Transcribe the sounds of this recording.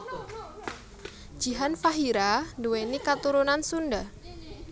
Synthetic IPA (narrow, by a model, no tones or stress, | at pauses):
ʒ̥iɦanfaɦiɾanduwenikat̪uɾunansunda